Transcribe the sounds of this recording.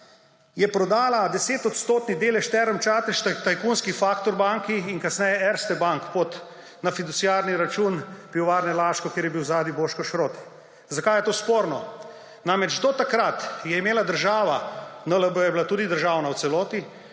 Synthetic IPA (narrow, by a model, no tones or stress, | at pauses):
jɛpɾɔd̪aːlad̪ɛseːt̪ɔt̪st̪oːt̪nid̪eːlɛʃt̪ɛɾəmt͡ʃaːt̪ɛʃt̪t̪ajkunskifaːkt̪ɔɾbaŋkiːnkasnɛjɛɛɾst̪ɛbaŋkpot̪ | nafid̪usijaːɾniɾat͡ʃuːnpiɔʋaːɾnɛlaːʃkɔkjeːɾjɛbiwzaːd̪iboːʃkɔʃɾoːt̪ɛ̥ | zakajɛt̪oːspoːɾnɔ | namɛt͡ʃd̪ɔt̪akɾat̪jɛimeːlad̪əɾʒaːʋanələbəjɛbilat̪uːd̪id̪əɾʒaːwnawt̪sɛlɔːt̪i